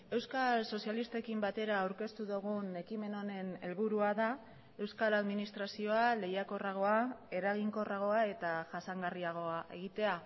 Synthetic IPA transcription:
e̞wskalso̞sjalist̪e̞kimbat̪e̞ɾaːwɾke̞st̪uðuɣ̞une̞kime̞no̞ne̞ne̞lβuɾuaða | e̞wskalaðminist̪ɾasio̞ale̞jako̞raɣ̞o̞ae̞ɾaɣ̞iŋko̞raɣ̞o̞ae̞t̪aʝasaŋɡariaɣ̞o̞aʔe̞̰ɣ̞it̪e̞a

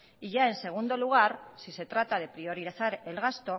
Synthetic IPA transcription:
iʝae̞nse̞ɣ̞und̪o̞luɣ̞aɾsise̞t̪ɾat̪að̞e̞pɾio̞ɾiɾaθaɾe̞lɣ̞ast̪o̞

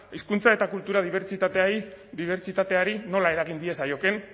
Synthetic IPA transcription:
iskunt͡sae̞t̪akult̪uɾað̞iβeɾt͡ʃit̪at̪eaiðiβe̞ɾt͡ʃit̪at̪e̞aɾino̞lae̞ɾaɣind̪ie̞sajo̞ke̞n

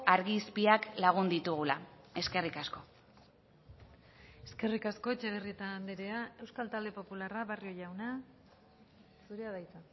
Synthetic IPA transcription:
aɾɣispiaklaɣ̞und̪it̪uɣulae̞ske̞rikasko̞ | e̞ske̞rikasko̞et͡ʃeɣ̞eriet̪aːnd̪eɾeae̞wskalt̪ald̪e̞po̞pularaβario̞jawna | suɾeaðajt̪a

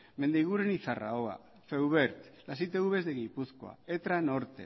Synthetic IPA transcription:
me̞nd̪eɣuɾenisara̰oa̰ | fewβeɾt̪lasit̪eɣuβe̞zd̪eɣipusko̞a̰et̪ɾano̞ɾt̪e̞̰

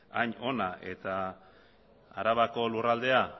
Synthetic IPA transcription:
aɲo̞naʔe̞t̪a | ɾaβako̞lurald̪e̞a

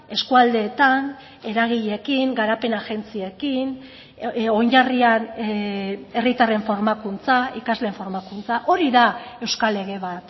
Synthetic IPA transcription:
e̞skuald̪e̞ːt̪an | e̞ɾaɣ̞iʎe̞kiŋɡaɾape̞naʝe̞nt͡sie̞kin | ojɲʎarian | e̞rit̪are̞ɱfo̞ɾmakunt͡saikazle̞ɱfo̞ɾmakunt͡saʔo̞ɾiðae̞wskale̞ɣe̞β̞at̪

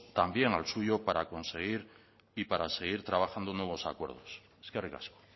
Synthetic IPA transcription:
t̪ambje̞ŋalsuʝopaɾako̞nse̞ɣ̞iɾ | ipaɾase̞ɣ̞iɾt̪ɾaβ̞axand̪onwe̞β̞o̞sa̰kwe̞ɾð̞o̞s | skerika̰sko̥

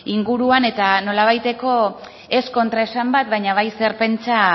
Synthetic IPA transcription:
iŋɡuɾuane̞t̪ano̞laβ̞ajt̪e̞ko̞ | e̞sko̞nt̪ɾaesambat̪βajɲaβ̞ajse̞ɾpe̞nt͡sa

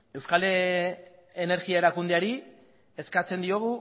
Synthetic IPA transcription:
e̞wskale | ene̞ɾɣiae̞ɾakund̪eaɾi | e̞skat͡se̞nd̪io̞ɣ̞u

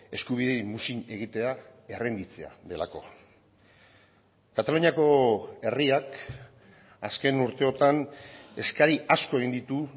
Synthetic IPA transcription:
e̞skuβ̞iðe̞jmusine̞ɣit̪e̞ae̞rend̪it͡se̞a̰ðe̞la̰ko̞̰ | kat̪aluɲiako̞e̞riak | aske̞nuɾt̪e̞o̞t̪ane̞skaɾiʔasko̞e̞ɣind̪it̪u

